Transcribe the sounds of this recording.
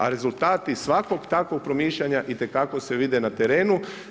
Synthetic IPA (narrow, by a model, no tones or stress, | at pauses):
a̰ɾe̞zulˠt̪aːt̪isʋako̞ɡt̪akʋoɡ̚pɾomiːʃʎaɲaʔit̪e̞kako̞seʋid̪enat̪eɾeːnu